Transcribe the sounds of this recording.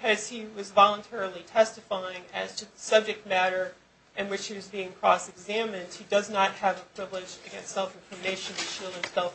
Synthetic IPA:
kʰʌz̥iwʌzvɑlˠə̃ntʰɛɹl̩ˠitʰɛstɨfaɪɪ̃ŋɨz̥tʰɨðəsʌb̚d͡ʒɨk̚t̚mæɾə˞ | ʔɨ̃nwɨt͡ʃhiwʌzbiɪ̃ŋkʰɹ̥ɔsɨɡzæ̃mɨ̃nd̥̚hidʌznət̚hɨvəpʰɹ̥ɪvlɪd͡ʒɨɡɛ̰̃nstsɛlˠfɪ̃nfə˞meɪʃɨ̃nɨʃilˠɨ̃msɛlˠf

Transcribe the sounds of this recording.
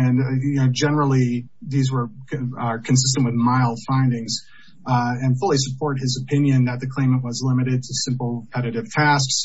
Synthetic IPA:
ɨ̃nod͡ʒɛnə˞l̩ˠiðizwə˞ | kʰɨ̃ns̬ɪs̬tə̃nʔwɨðmaɪl̥ˠfãɪ̃ndɪ̃ŋz | ɨ̃nfʊlˠisəpʰɔɹt̚hɨzəpʰɪ̃njɨ̃nðɨt̪̚ðɨkʰl̥ẽɪ̃mə̃nʔwʌzlɪ̃mɨɾɨd̚tʰɨsɪ̃mpl̩ˠpʰɛɾɨɾɨv̥tʰæsks

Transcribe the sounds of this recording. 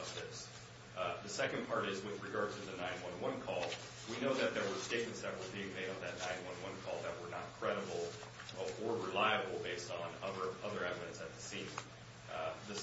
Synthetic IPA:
ʌvðɪs | ðɨsɛkɨ̃npʰɑɹɾɪzwɨðɹɨɡɑɹd̚tʰɨðɨnãɪ̃nwʌ̃nwʌ̃nkʰɔlˠ | winoʊðɨt̪̚ðə˞wə˞steɪkɨ̃n̩sɛvɹl̩ˠθĩŋmeɪɾn̩ðɨtⁿnãɪ̃nwʌ̃nwʌ̃nkʰɔlˠðət̚wə˞nət̚kʰɹ̥ɛɾɨbl̩ˠ | ʔə˞ɹɨlaɪɨbl̩ˠbeɪstn̩ʌðə˞ʔʌðə˞ɛvɨɾɨ̃ntsɨt̪̚ðɨsĩn | ðɨ

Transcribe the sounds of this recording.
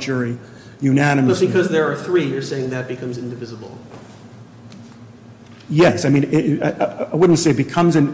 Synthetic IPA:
t͡ʃə˞i | jʉnænɨmʌb̥ɨkʰʌzðə˞ːθɹijə˞seɪɪ̃ŋðɨt̚b̥ɨkʰʌ̃mzɪ̃ndɨvɪzəbl̩ˠ | jɛsaɪmĩnɪaʔaɪwʊdⁿn̩tseɪt̚b̥ɨkʰʌ̃mzɨ̃n

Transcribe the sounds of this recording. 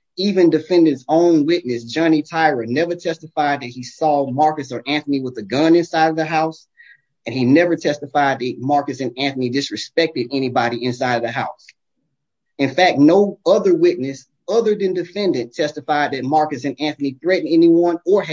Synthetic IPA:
ivɨ̃ndɨfɛ̃ndɨ̃nzõʊ̃nwɪtⁿnɨsd̥ʒ̥ɑnitʰaɪɹɨnɛvə˞tʰɛstəfaɪd̪̚ðɨt̚hisɔmɑɹkɨsə˞ʔæ̃nθəniwəðɨɡʌ̃nɨ̃nsaɪɾʌvðəɦaʊs | ɨ̃ninɛvə˞tʰɛstəfaɪd̪̚ðɨt̚mɑɹkɨsɨ̃næ̃nθɨnidɨsɹɨspɛk̚tɨɾɛnibɑɾiɨ̃nsaɪɾʌvðɨɦaʊs | ɨ̃nfæk̚t̚noʊʌðə˞wɪtⁿnɨs | ʌðə˞ðɨ̃ndɨfɛ̃ndɨ̃ntʰɛstəfaɪd̪̚ðɨt̚mɑɹkɨsɨ̃næ̃nθɨniθɹɛʔn̩ɛniwʌ̃nə˞

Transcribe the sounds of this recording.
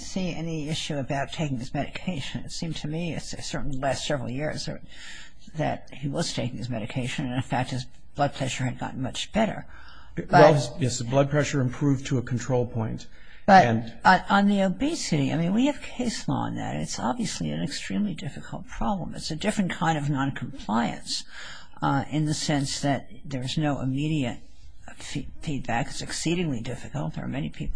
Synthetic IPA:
siɛ̰niɪʃʉɨbaʊtʰeɪkɪ̃ŋðɨsmɛɾɨkʰeɪʃɨ̃nɨtsĩmtʰɨmiɨtssɜ˞ʔn̩lilæstsɛvɹl̩ˠjɪɹzə | ðɨ̰t̚hiwʌz̥tʰeɪkɪ̃ŋɨzmɛɾɨkʰeɪʃɨ̃nɨ̃nɨ̃nfæk̚t̚hɨz | b̥lʌd̚pʰɹ̥ɛʒə˞ɨd̚ɡɑ̰ʔn̩mʌt͡ʃb̥ɛɾə̰˞ | b̥ʌɛlˠɪzjɛsɨblʌd̚pʰɹ̥ɛʃə˞ɨ̃mpʰɹ̥ʉvtʰəəkʰn̩tʰɹ̥oʊlˠpʰɔ̃ɪ̃nt | b̥ʌɨ̃nɾə̃nðioʊbisɨɾia̰ɪmĩnwiɨv̥kʰeɪslɔ̰ə̰̃nðɨ̰ɾɨ̰tsɑ̰bviɨsliɨ̃nɨkstɹ̥ĩmlidɪfɨkʰl̩ˠt̚pʰɹ̥ɑblə̃mɨ̰tsɨdɪfɹɨ̃nkʰãɪ̃ndʌvnɑ̃nkʰm̩pʰl̥aɪɨ̰̃ns | ʔɪ̃nðɨsɛ̃nsðɨt̪̚ðə˞ɨznoʊʔə̰miɾiɨt̚ | fifid̚bækɨzɨksiɾɪ̃ŋlidɪfɨkl̩ˠt̪̚ə̰˞mɛnipʰip̩ˠ

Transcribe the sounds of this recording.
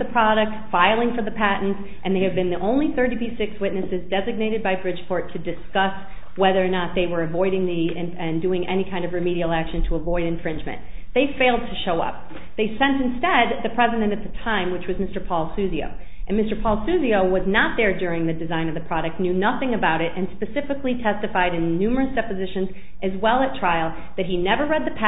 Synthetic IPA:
ðɨpʰɹ̥ɑɾɨk̚tfaɪlˠɪ̃ŋfə˞ðɨpʰæʔn̩ts | ʔɨ̃nðeɪɨvbɨ̃nðiʔõʊ̃nliθɜ˞ɾipisɪkswɪtⁿnɨsɨzdɛzɨɡ̚neɪɾɨd̚baɪbɹɪ̥d͡ʒ̥ʒ̥pʰɔɹtʰɨdɨskʌs | wɛðə˞nət̪̚ðeɪwə˞ɨvɔɪɾɪ̃ŋðiɪ̃ | ɨ̃ndʉɪ̃ŋʔɛ̰ñikʰãɪ̃ndʌvɹɨmiɾil̩ˠækʃɨ̃ntʰəːvɔɪɾɨ̃ɱfɹɪ̃nd͡ʒmɨ̰̃n | ðeɪfeɪlˠd̚tʰɨʃoʊʌ̰p̚ | ðeɪsɛ̃ntɨ̃n̩stɛd̪̚ðɨpʰɹ̥ɛzɨɾɨ̃ñɨt̪̚ðɨtʰãɪ̃mwɨt͡ʃwʌzmɪstə˞pʰɔlˠsʉzio̰ʊ | ʔɨ̃nmɪstə˞pʰɔlˠsʉzioʊwʌznət̪̚ðə˞dʊɹɪ̃ŋðɨdɨzãɪ̃nʌvðɨpʰɹ̥ɑɾɨk̚tⁿnjʉnʌθɪ̃ŋɨbaʊɾɨɾɨ̃nspɨsɪfɨklitʰɛstɨfaɪɾɨ̃nːʉmə˞ɨsd̥ɛpɨzɪʃɨ̃nz | ʔɨzwɛlˠɨtʰɹ̥aɪl̩ˠ | ðɨt̚ɦinɛvə˞ɹɛd̪̚ðɨpʰæ

